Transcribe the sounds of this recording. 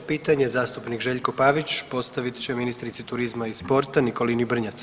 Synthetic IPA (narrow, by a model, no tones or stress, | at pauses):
piːt̪aɲezaːst̪upnikʒe̞ʎko̞paːʋit͡ɕpo̞st̪aʋit̪t͡ɕeminist̪ɾit̪sit̪uɾizmaispo̞ɾt̪aniko̞linibr̩ɲat̪s